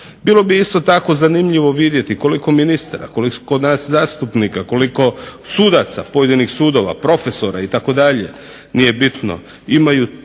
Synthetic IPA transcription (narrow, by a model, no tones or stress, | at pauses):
bilˠo̞biist̪o̞t̪ako̞zanimʎiʋo̞ʋid̪je̞t̪iko̞liko̞minist̪aɾa̰kolikod̪naːszaːst̪upniːkako̞liko̞suːd̪at̪sa̰poje̞d̪inixsuːd̪o̞ʋa̰pɾo̞feso̞ɾait̪ako̞d̪aʎe | nije̞bit̪no̞̰ | imaju